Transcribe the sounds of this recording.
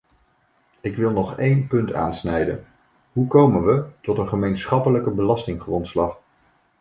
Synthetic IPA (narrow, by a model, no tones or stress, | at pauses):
ɪkʋɪlˠnɔχejnpɵnta̰ːnsnɛjdən | ɦukowmənʋətɔtənχəmejnsχɑpələkəbəlɑstɪŋχrɔntslɑχ